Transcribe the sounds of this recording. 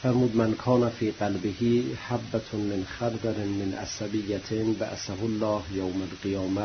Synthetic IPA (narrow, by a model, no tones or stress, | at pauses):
fæɾmuːd̪mankʰɒːnæfiːɢalbehiːhabːæt̪ʰmenxaɾd̪aɾmenʔa̰sabijːæt̪ʰba̰ʔsaɦolːɑːhjowmalqijɒːmæ